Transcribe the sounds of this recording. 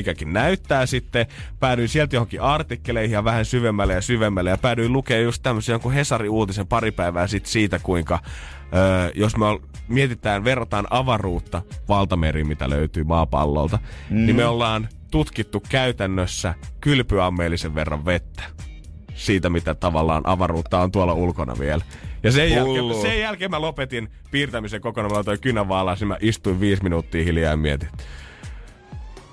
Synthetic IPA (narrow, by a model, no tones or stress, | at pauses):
mikækinnæyt̪ːæːsit̪ːepæːɾyisielt̪johoŋkiʔɑrt̪ikːeleihijɑʋæhænsyʋemːælːejɑsyʋemːælːejɑpæːdyilukeːjjust̪t̪æmːøsiɑŋkuhesɑriuːt̪isempɑɾipæiʋæːsit̪siːt̪ækuiŋkɑ | øːjosmeol | miet̪it̪æːnʋerːɑt̪ɑnʔɑʋɑruːt̪ːɑʋɑlt̪ɑmeɾiːmmit̪æ̰lø̰yt̪yːmɑːpɑ̰lːo̰lt̪ɑnimeolːɑːn | t̪ut̪kit̪ːukkæyt̪ænːøsːækylpyɑmːeːlːiseʋʋerːɑ̰ʋʋet̪ːæ̥ | siːt̪æmit̪æt̪ɑʋɑlːɑ̰ːnʔɑ̰ʋɑruːt̪ːɑont̪uolːɑulkonɑ̰ʋḭelæjɑsejjælːsejjælkeːmælopet̪in | piːrt̪æmiseŋkokonɑmilot̪oikynæʋɑːlɑˑsnimæʔist̪uiʋʋiːsminuːt̪ːiːhiljɑimmiet̪it̪ːy̥